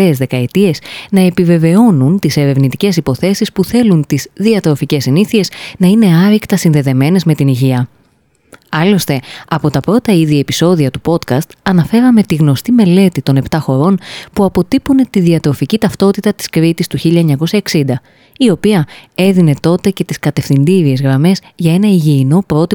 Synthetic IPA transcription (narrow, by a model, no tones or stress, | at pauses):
ezðe̞kɐe̞t̪ie̞znɐe̞pive̞ve̞o̞nunt̪ise̞ɾe̞vnit̪ice̞sipo̞θe̞sispuθe̞lunt̪izðiɐt̪ɾo̞fice̞siniθie̞znɐine̞ɐɾikt̪ɐsinðe̞ðe̞me̞ne̞zme̞t̪iniʝiɐ | ɐlo̞st̪e̞ɐpo̞t̪ɐpɾo̞t̪ɐiðie̞piso̞ðiɐt̪upo̞t̪kɐst̪ɐnɐfe̞ɾɐme̞t̪iɣno̞st̪ime̞le̞t̪it̪o̞ne̞pt̪ɐxo̞ɾo̞npuɐpo̞t̪ipune̞t̪iðiɐt̪ɾo̞ficit̪ɐft̪o̞t̪it̪ɐt̪i̥skɾit̪ist̪uçiʎɐeɲɐko̞sɐeksind̪ɐ | io̞piɐe̞ðine̞t̪o̞t̪e̞ce̞t̪iskɐt̪e̞fθind̪iɾie̞zɣɾɐme̞z | ʝɐe̞nɐiʝiːno̞pɾo̞t̪i